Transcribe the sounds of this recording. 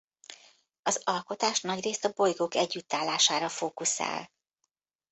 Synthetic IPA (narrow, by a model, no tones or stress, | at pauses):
ɒzɒlko̞t̪aːʃnɒɟreːst̪ɒbo̞jɡoːkɛɟːyt̪ːaːlːaːʃaːɾɒfoːkusa̰ːl